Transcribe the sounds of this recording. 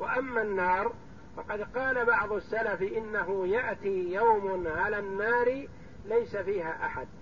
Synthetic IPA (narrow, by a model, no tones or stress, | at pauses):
waʔamːaːnːɑːɾˤ | fɑqɑd̪qɑːlabɑʕðˤʊasːalafʔɪnːaɦʊjaʔt̪iːjawmnʕalaːnːaːɾ | lajsafiːhaːʔaħa̰d̪̚